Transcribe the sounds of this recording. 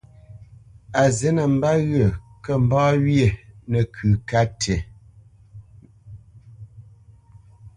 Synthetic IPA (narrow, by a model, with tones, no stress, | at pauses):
a˨ze˦nə˨m̩˦ba˦ɣə˨kə˦˨m˦bɔː˦wje˦˨nə˨kʰʉ˨ka˦tʰe˨